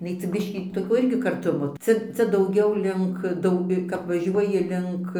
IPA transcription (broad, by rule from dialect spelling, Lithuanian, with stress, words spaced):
ɪˈnɐɪ t͡sʲɛ ˈbʲɪʃʲkʲiː toːˈkʲoː ˈɪrʲɡʲɪ kɐrˈtʊmoː ˈt͡sʲɛ ˈt͡sʲɛ dɐʊˈɡʲɛʊ ˈlʲɪŋk ˈdɐʊ kɐp ʋɐˈʒʲuɔjɪ ˈlʲɪŋk